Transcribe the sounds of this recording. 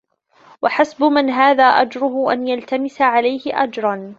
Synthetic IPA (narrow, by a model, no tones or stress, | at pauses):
waħasbʊmɪnɦaːðaːʔad͡ʒɾˤʊhʊʔanjalt̪amɪsaʕalajhɪʔad͡ʒɾˤɑn